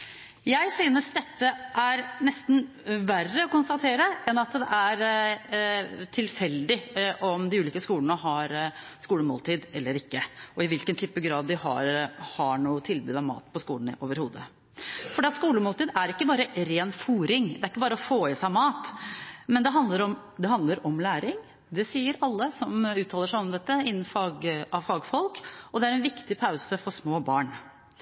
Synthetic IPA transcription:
jæɪsyːnəsd̪ɛt̪ːəʔæɾnɛst̪n̩ | ʋærːəɔkʊnst̪ɑt̪ʰeːɾəɛnɑt̪d̪ɛʔæɾ | t̪ʰɪlfɛld̪ɪʔɔmd̪ɪʉːliːkəskuːləɳəɦɑɾ | skuːləmoːlt̪ʰiːd̪ɛlːəɾɪkːəɔɪʋɪlkənt̪ʰyːpəʋɡɾɑːd̪ːɪhɑ̰ɾhɑɳuːət̪ʰɪlbʉːd̪ɑʋmɑ̰ːt̪pʰɔskuːlən̩̰ʔo̰ːʋəɾhuːd̪ə̰ | fɔɖɛːɑt̪skuːləmoːlt̪iːd̪æɾɪkːəbɑːɾəɾeːnfuːɾɪŋd̪ɛæɾɪkːəbɑːɾəɔfoːɪsæɪmɑːt̪mɛnd̪ɛɦɑnd̪ləɾɔm | d̪ɛɦɑnd̪ləɾɔmlæːɾɪŋ | d̪ɛsiːəɾɑlːəsɔmʉːt̪ʰɑːləʂæɪɔmd̪ɛt̪ːəɪnːn̩fɑːɡɑʋfɑːɡfɔlkɔd̪ɛæɾɛnʋɪkt̪ɪpʰaʉsəfɔʂmoːbɑːɳ

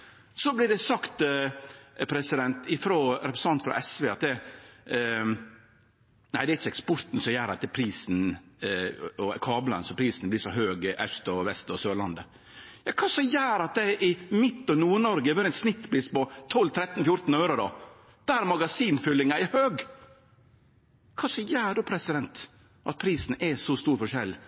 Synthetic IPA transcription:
sɔblɪɖɛsɑkt̪ | pʰɾɛsɪd̪ɛnt̪ɪfɾɔɾɛpɾɛsɑnt̪fɾɑ̰ʔɛsʋeːɑt̪d̪ɛ | næɪd̪ɛæɪçəɛkspɔɾt̪n̩sɔjæːɾɑt̪d̪ɛpʰɾiːsn | ɔkʰɑːblɑ̰nsɔpʰɾiːsnblɪʂɔɦøːɡʔɛʂt̪ɔʋɛst̪ɔsøːlɑnd̪ə | jɑkʰɑːsɔjæːɾɑt̪̚d̪ɛʔɪmɪt̪ːɔnuːɳɔɾɡəʋøɾɛt̪snɪt̪ːpliːspɔt̪ʰɔlt̪ʰɾɛt̪ːnfjʊɾt̪n̩øːɾʊd̪ɔ̰ | d̪̥æːɾmɑɡɑsiːnfʏlːɪŋɑɛhøːɡ | kʰɑːsɔjæːɖʉpʰɾɛsɪd̪ɛnt̪ | ʔɑ̰t̪̚pʰɾiːsn̩ɛsɔst̪uːɾfɔʂɛlː

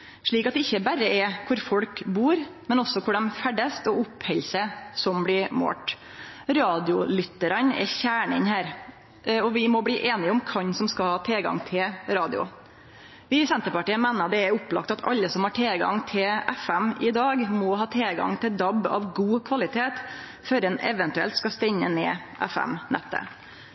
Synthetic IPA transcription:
ʂɭiːkɑt̪̚d̪ɛɪçːəbæɾːəʔɛkʰʊɾfɔlkbuːɾmɛnɔsːɔkʰʊɖɛmfæɖəst̪ɔʊphɛlsəsɔmblɪɾmo̰ːʈ | ɾɑːd̪ɪʊlʏt̪əɾɑnɛ̰çæːɳənhæːɾ | ɔʋɪmɔbliːʔeːnɪʊmkʰɑɲsɔmskɑlhɑːt̪ʰɛlɡɑ̰ŋt̪ʰɪlɾɑːd̪ɪ̰ʊ̰ | ʋɪsɛnt̪əɾpɑʈiːəmɛːnəɑd̪ɛɛɾʊpːlɑ̰k̚t̪ɑt̪ʰɑ̰lːəsɔmhɑːʈʰelɡɑ̰ŋt̪ʰɪlɛfɛmɪd̪ɑːɡmɔhɑːt̪ʰelɡɑ̰ŋt̪ʰɪld̪ɑbɑ̰ʋɡuːkʰʋɑlɪt̪ʰeːt̪ | fœɾɛnɛ̰ʋɛnt̪ʉɛ̰lt̪skɑst̪ɛɲːəneːʔɛ̰fɛ̰mnɛ̰t̪ːə̰

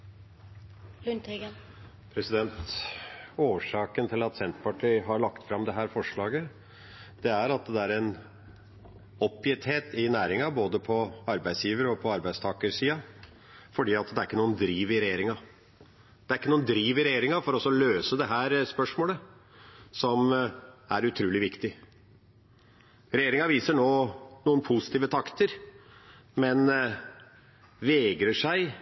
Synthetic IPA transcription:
pʰɾɛsɪd̪ɛnt̪ | oːʂɑːkənt̪ʰɪlɑt̪sɛnt̪pɑʈʰiːɦɑɾɭɑkt̪fɾɑmd̪ɛɦæːɾfɔʂɭɑːɡə | d̪̥ɛæɾɑt̪d̪ɛæɾɛn | ɔpːjɪt̪heːt̪ɪnæːɾɪŋɑboːd̪əpʰɔɑɾbæɪsjiːʋəɾəɔpʰɔɑɾbæɪd̪st̪ʰɑːkəsiːɑ | fɔɖiːɑt̪d̪ɛæɾɪkːənuːənd̪ɾiːʋɪɾɛjeːɾɪŋɑ | d̪̥ɛæɾɪkːənuːənd̪ɾiːʋɪɾɛjeːɾɪŋɑfɔɾɔɔsːɔløːsəd̪ɛɦæːɾspœʂmoːlə | sɔmæɾʉt̪ʰɾʉːlɪʋɪkt̪ɪ | ɾɛjeːɾɪŋɑʋiːsəɳoːnuːənpʰusɪt̪iːʋət̪ʰɑkt̪əɾ | mɛn | ʋɛɡɾəʂæɪ

